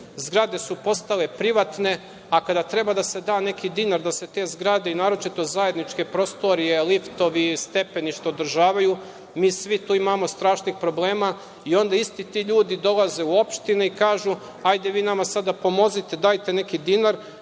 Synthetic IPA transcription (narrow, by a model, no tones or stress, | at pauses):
zɡɾad̪e̞supo̞st̪ale̞pɾiʋat̪ne̞ | akad̪at̪ɾe̞bad̪ase̞d̪aːne̞kid̪inaɾd̪ase̞t̪e̞ːzɡɾad̪e̞inaːɾo̞t͡ʃit̪o̞zaje̞d̪nit͡ʃke̞pɾo̞st̪oɾije̞lift̪o̞ʋist̪e̞pe̞niʃt̪oːd̪ɾ̩ʒaːʋaju | miːsʋit̪uːimaːmo̞st̪ɾaːʃnixpɾo̞blˠe̞ːma | io̞nd̪aist̪it̪iːʎuːd̪id̪o̞laze̞uo̞pʃt̪ineikaːʒu | ajd̪e̞ʋiːnamasad̪apo̞mo̞zit̪e̞d̪aːjt̪e̞ne̞kid̪inaɾ